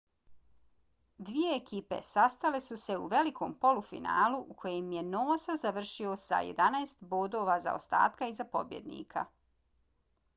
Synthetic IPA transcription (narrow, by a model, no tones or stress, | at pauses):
d̪ʋije̞ːkiːpe̞̰sast̪ale̞suse̞uʋe̞likʰo̞ːmpo̞lufḭna̰ːluʔukʰo̞jemje̞noːsazaʋr̩ʃiosa̰jḛd̪anaest̪boːd̪o̞ʋaza̰o̰st̪a̰ːt̪kaizapo̰bjed̪nḭːkʰa̰